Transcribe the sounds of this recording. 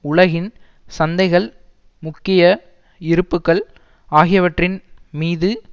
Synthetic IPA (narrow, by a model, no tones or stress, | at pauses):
ʊɭɐɣɪn | sɐnd̪ɐɪɣɐɭ | mʊkːɪjɐ | ɪɾɯpːɯkːɐɭ | aːɣɪjɐʋɐʈrɪnmiːðɯ